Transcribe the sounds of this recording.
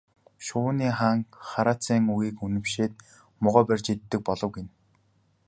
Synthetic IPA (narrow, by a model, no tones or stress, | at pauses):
ʃʊːniːχaːŋχaɾaːt͡sʰiːŋuɣiːkunɘ̆mʃeːt̪̚ | mʊʁœːpærʲt͡ɕit̪ːɘ̆k̚pɔɮɞ̆wɡen